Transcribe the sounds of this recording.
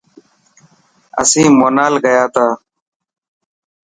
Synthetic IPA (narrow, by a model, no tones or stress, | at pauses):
ə̰sĩːmoːnaːlɡəjaːt̪aː